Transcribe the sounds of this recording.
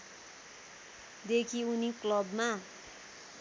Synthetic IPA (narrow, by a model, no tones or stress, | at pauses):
d̪ekʰiuniklʌbma